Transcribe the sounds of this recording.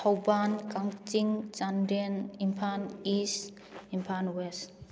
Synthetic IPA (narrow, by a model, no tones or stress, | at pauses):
hawbankaŋt͡ʃiŋt͡ʃanɾenimpʰanis | impʰanwest